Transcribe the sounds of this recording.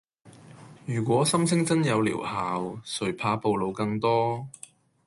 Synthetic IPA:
jyː˨˩k̬ʷɔː˨˥sɐ˥msʰɪ˥ŋt͡sɐ˥njɐ˨˧wlḭː˨˩whaː˨wsɵ˨˩ɥpʰaː˨˧˥po˨wlo˨˧wkɐ˧ŋt̪ɔː˥

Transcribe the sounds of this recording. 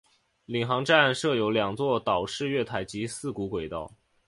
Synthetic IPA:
li˨˩ŋxɑ˧˥ŋʈ͡ʂa˥˧nʂɤ˥˩jo˧˥ʊljɑ˨˩ŋt͡swɔ˥˩t̪ɑ˨˩ʊʂɻ̩˥˧ɥɛ˥˩t̪ʰa˨˩˥ɪt͡ɕi˧˥sɹ̩˥˩ku˧˥kwe˨˩ɪt̪ɑ˥˩ʊ

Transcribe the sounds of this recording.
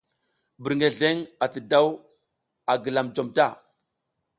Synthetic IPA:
bi˨ɾŋɡe˨ɮe˦ŋa˨tə˨da˦w | a˨ɡə˨la˨md͡ʒo˨mta˦˨

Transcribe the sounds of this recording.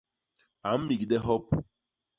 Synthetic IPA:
a˨m̩˦mi˨ɡi˨de˦ɦɔ˦p

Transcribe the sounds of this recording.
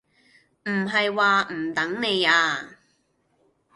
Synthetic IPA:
m̩˨˩ɦɐ˨jwaː˨˧m̩˨˩t̪ɐ˨˥ŋne˨˧jaː˧

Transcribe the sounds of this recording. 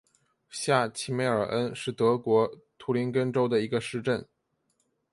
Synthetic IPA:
ɕja˥˩t͡ɕʰi˧˥me˥˩ɪə˞˨˩ʔə˥nʂɻ̩˥˩t̪ɤ˧˥kwɔ˧˥t̪ʰu˧˥li˧˥nkə˥nʈ͡ʂo˥ʊd̪ə˨i˧˥ɡə˧ʂɻ̩˥˧ʈ͡ʂə˥˩n

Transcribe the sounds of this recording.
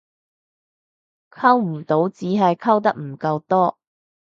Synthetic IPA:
kʰɐ˥wm̩˨˩t̪o˨˥wt͡siː˨˥ɦɐ˨jkʰɐ˥wt̪̬ɐ˥k̚m̩˨˩kɐ˧wt̪ɔː˥

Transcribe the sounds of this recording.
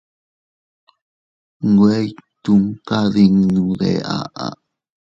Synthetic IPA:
ŋ˨ɡwe˦jt̪u˦ŋka˦ði˧ŋnũ˧ðḛ˨a˦ʔa˨

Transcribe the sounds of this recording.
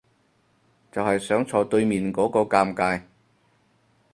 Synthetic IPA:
t͡sɐ˨whɐ˨jsœː˨˥ŋt͡sʰɔː˨˧t̪ɵ˧ɥmiː˨nkɔː˨˥kɔː˧kaː˧mkaː˧j

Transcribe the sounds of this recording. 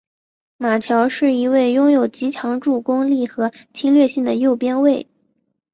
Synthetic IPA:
ma˨˩t̪ʰjɑ˧˥ʊʂɻ̩˥˩i˧˥we˥˩ɪjʊ˥ŋjo˨˩ʊt͡ɕi˧˥t͡ɕʰjɑ˧˥ŋʈ͡ʂu˥˩kʊ˥ŋli˥˩xɤ˧˥t͡ɕʰi˥nlɥɛ˥˧ɕi˥˩ŋd̪ə˩jo˥˩ʊpjɛ˥nwe˥˩ɪ

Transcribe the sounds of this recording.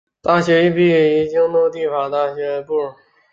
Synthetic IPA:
t̪a˥˩ɕɥɛ˧˥i˥˧pi˥˩i˥˩t͡ɕi˥ŋt̪o˥˧t̪i˥˩fa˨˩t̪a˥˩ɕɥɛ˧˥˧pu˥˩ɻ

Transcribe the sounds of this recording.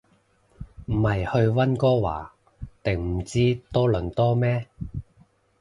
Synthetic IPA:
m̩˨˩hɐ˨jhɵ˧ɥwɐ˥nkɔː˥wa̰ː˨˩ | t̪ɪ˨˩ŋm̩˨˩t͡siː˥t̪ɔː˥lɵ˨˩nt̪ɔː˥mɛː˥

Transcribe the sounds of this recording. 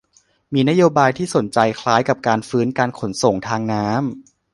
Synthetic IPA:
miː˧na˦˥joː˧baː˧jt̪ʰiː˥˩so˩˦nt͡ɕa˧jkʰlaː˦˥jka˨˩p̚kaː˧nfɯː˦˥nkaː˧nkʰo˩˦nso˨˩ŋt̪ʰaː˧ŋnaː˦˥m

